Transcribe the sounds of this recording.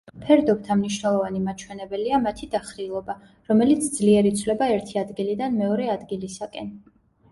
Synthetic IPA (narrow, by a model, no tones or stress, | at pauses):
pʰɛɾd̪ɔbt̪ʰamniʃnɛlˠɔvanimat͡ʃʰwɛnɛbɛliamat̪ʰid̪aχɾilˠɔba | ɾɔmɛlit̪sʰd̪zliɛɾit̪sʰlɛbaɛɾt̪ʰiad̪ɡilid̪anmɛɔɾɛad̪ɡilisakʼɛn